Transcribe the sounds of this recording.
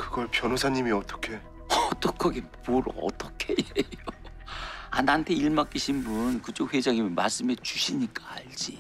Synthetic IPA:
kɯɡʌɭpjʌnosʰaɲimiʌt͈ʌ̥kʰe̞ | ʌt͈ʌkʰʌɡepoɾʌ̰t͈ʌkʰeejo | a̰nantʰe̞iɭmak͈iɕʰinbunkɯt͡ɕʰoɸwe̞d͡ʑaŋimmaɭs͈ɯmet͡ɕuɕʰiɲik͈aaɭd͡ʑi

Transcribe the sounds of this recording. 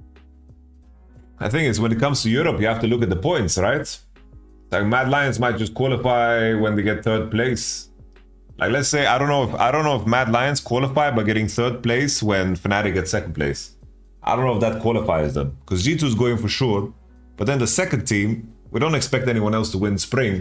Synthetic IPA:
ʔaɪθɪ̃ŋkɨtswə̃nɨt̚kʰʌ̃mz̥tʰɨjʊɹəpjɨhæftɨlʊkɨt̪̚ðəpʰɔ̃ɪ̃ntsɹaɪt | laɪk̚mædlaɪɨ̃nsmaɪt̚d̥ʒ̥ʌskʰw̥ɔlˠəfaɪwə̃nðeɪɡɛt̪̚θɜ˞d̚pl̥eɪs | la̰ɪklɛtseɪaɪɾõʊ̃nːoʊɪfa̰ɪɾõʊ̃nːoʊɨfmædˡlaɪɨ̃nskʰw̥ɑlˠəfaɪbaɪɡɛɾɪ̃ŋθɜ˞d̚pl̥eɪswɨ̃nfənæɾɨɡɛtsɛkn̩pʰlḛɪs | aɪdõʊ̃nːoʊɪfðət̚kʰw̥ɑlˠəfa̰ɪzðə̰̃mkʰʌzjituzɡoʊɪ̃ŋfə˞ʃʊɹ | b̥ʌt̪̚ðɨ̃nðəsɛkɨ̃ntʰĩmwidõʊ̃ntɨkspɛk̚tɛniwʌ̃nɛlˠstʰəwɪ̃nspɹɪ̃ŋ

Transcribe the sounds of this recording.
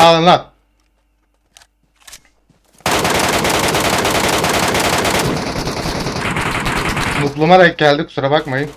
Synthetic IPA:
aːlˠɯnlˠap | muk̪lˠumad̪akɛlʲd̪iksuɾabakmajɯm

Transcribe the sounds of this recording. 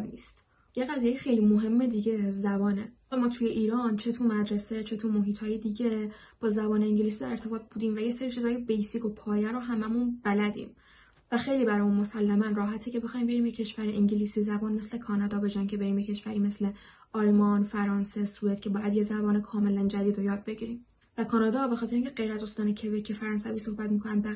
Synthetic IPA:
niːst̪ | jeɣæzijejexejliːmoɦe̞mːed̪iːɟe̞zæbɒːne | mɒːt̪ʰujeʔiːɾɒnt͡ʃʰet̪ʰumæd̪ɾe̞set͡ʃʰe̞t̪ʰumoɦiːt̪hɒːjed̪iːɟe | b̥ɒːzæbɒːneiɲɟeliːs̬iːd̪æɾeɾt̪ʰebɒːt̪̚b̥uːd̪iːmvæjeseɾit͡ʃʰizɒːjebejsikʰo̞pʰɒːjæɾoɦæmæmunb̥ælæd̪ḭːm | væxe̞jliːbæɾɒːjuːnmo̞sælːæmænrɒːɦæt̪ʰecʰe̞be̞xɒːjimbeɾiːmjecʰːeʃvæɾiʔiɲɟeliːsiːzæbɒːnmesle̞kʰɒːnɒːd̪ɒːbe̞d͡ʒæncʰe̞be̞ɾiːmjecʰeʃvæɾiːme̞sle̞ | ɒlmɒnfæɾɒːnse̞sue̞d̪̥cʰe̞bɒːjæd̪jezæbɒːnekʰɒːme̞lænd͡ʒæd̪iːd̪ojɒːd̪̚be̞ɟiɾiːm | vækʰɒːnɒːd̪ɒːbe̞xɒːt̪ʰeeiŋcʰeɢe̞jɾæzo̞st̪ɒːnecʰebecʰefæɾɒːnsæviːso̞hbæt̪miːkʰo̞nænd̪bæ

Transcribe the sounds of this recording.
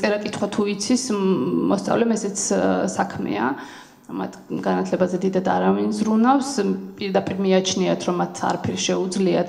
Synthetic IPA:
ɛɾakʼit̪ʰχwat̪ʰuit̪sʰismɔst̪sʼa̰vlɛmɛsɛt̪sʰsakʰmɛ̰a̰ | ma̰t̪ʰɡanat̪ʰlɛbazɛd̪id̪ad̪aɾavinzɾunafspʼiɾd̪apʼiɾmiat͡ʃʰniat̪ʰɾɔmːat̪ʰa̰ɾapʰɛɾʃɛud̪zliat̪

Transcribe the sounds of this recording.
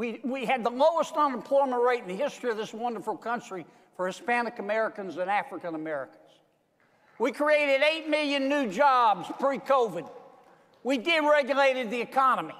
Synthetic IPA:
wiwiɨd̪̚ðəloʊəstə̃nə̃m̩pʰl̥ɔɪm̃nʔɹeɪɾn̩ðɨhɪstɹ̥iʌvðɪswʌ̃ndə˞fl̩ˠkʰʌ̃nt͡ʃɹ̥i | fə˞hɨspænɨkəmɛɹɨkɨ̃nzɨ̃næfɹɨkɨ̃nəmɛɹɨ̰kn̩z̥ | wikʰɹ̥ieɪɾɨɾeɪt̚mɪlˠjɨ̃nːʉd͡ʒɑbz̥pʰɹ̥ikʰoʊvɨd̚ | widɪd̚ɹɛɡjɨleɪɾɨd̪̚ðiɨkʰɑnəmi

